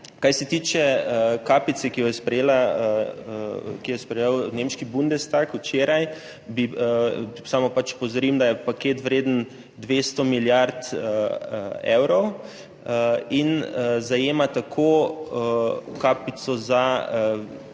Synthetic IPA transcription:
kajsɛt̪iːt͡ʃɛkaːpit̪sɛkijɔjɛspɾɛjeːla | kijɛspɾɛjewnemʃkibund̪ɛst̪akut͡ʃeːɾaj | bi | saːmɔpat͡ʃpowzaɾimd̪ajɛpakeːt̪ʋɾeːd̪ən | d̪ʋeːst̪ɔmiljaɾt̪ə | ɛ̰wɾɔw | əinzajeːmat̪akʰo | kaːpit̪sɔza

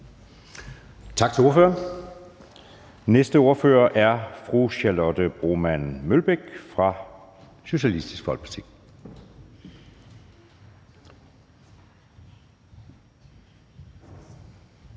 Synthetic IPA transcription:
t͡sʰɑ̈ɡ̥̚t͡sʰe̝o̝ɐfø̰ːɐn | nesd̥əo̝ɐfø̰ːɐʔæɐfʁuɕælɔd̥əb̥ʁo̝mænmølb̥eɡ̥fʁɑ̈ | ɕo̝ɕiælisd̥isɡ̥fɒ̽l̰̥̚pʰɑ̈t͡sʰḭː

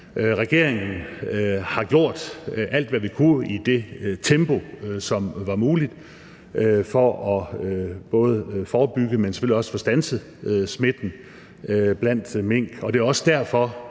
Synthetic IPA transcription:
ʁaɡ̥e̝ɐ̰eŋn̩ | hɑ̈ɡ̥jo̝ɐ̰d̥ʔæl̰d̥ʋæʋikʰuid̥e̝t͡sʰemb̥o̝sɒ̽mʋɑ̈muːlid̥ | fɒ̽ɒ̽øb̥ɔ̽ːð̞ˠəfɒːb̥yɡ̥əmenseføl̰iɒ̽sə̥fɒ̽sd̥ænsə | øsme̝d̥n̩ | b̥læn̰d̥me̝ŋ̰ɡ̥ɒ̽d̥e̝ɒ̽sə̥d̥æɐ̰fɒ̽

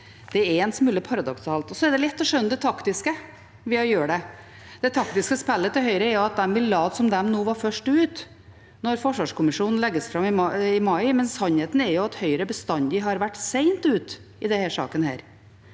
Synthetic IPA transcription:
d̪̥ɛɛɛnsmʉːləpʰɑɾɑd̪ɔksɑːlt̪ɔsɔɛɖ̪ɛlɛt̪ːɔʂœnːəd̪ɛt̪ʰɑkt̪ɪskə | ʋɪɑjøːɖɛ | d̪̥ɛt̪ʰɑkt̪ɪskəspɛlːət̪ɪɦœʏɾəɛɾjʊɑt̪̚d̪ɛmbɪllɑːd̪sɔmd̪ɛmnuːʋɑɾfœʂʈʉːt̪ | nɔɾfɔʂʋɑːʂkʊmɪʂuːnn̩lɛɡːəsfɾɑmːɪmɑɪmɑɪmɛnsɑnheːt̪n̩ɛɾjʊɑt̪hœʏɾəbəst̪ɑnd̪ɪɦɑɾʋæʈːseɪnt̪ʉːt̪ | ɪd̪ɛhæːʂɑ̰ːkənhæ̰ːɾ

